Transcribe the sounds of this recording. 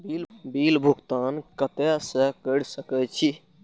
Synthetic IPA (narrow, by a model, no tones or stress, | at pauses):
bilbilbʱuɡt̪ankət̪ɛsəkəɽsəkɛt͡ʃʰi